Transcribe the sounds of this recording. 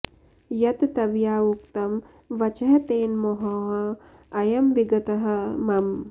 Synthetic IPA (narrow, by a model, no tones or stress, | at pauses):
jɐt̪t̪ɐʋjaːukt̪ɐm | ʋɐt͡ʃɐɦɐt̪eːnmoɦɐːɐ | ɐjɐmʋiɡɐt̪ɐɦɐ̆mɐm